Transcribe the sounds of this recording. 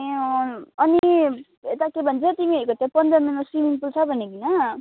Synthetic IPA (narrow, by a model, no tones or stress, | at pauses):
ʌni | et̪akebʱʌnt͡sʰʌt̪imiekʌt̪japʌnd̪ʌminmasimiŋpʰult͡sʰʌbʱʌnekinʌ